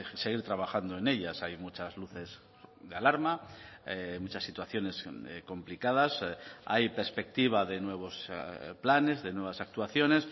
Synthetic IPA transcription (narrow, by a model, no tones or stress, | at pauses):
se̞ɣ̞iɾt̪ɾaβ̞axand̪o̞e̞ne̞ʎasajmut͡ʃazluθe̞s | d̪ealaɾma | mut͡ʃasːit̪waθjo̞ne̞sko̞mplikað̞asa̰jpe̞ɾspe̞k̚t̪iβ̞aðe̞nwe̞β̞o̞splane̞zðe̞nwe̞β̞asak̚t̪uwaθjo̞ne̞s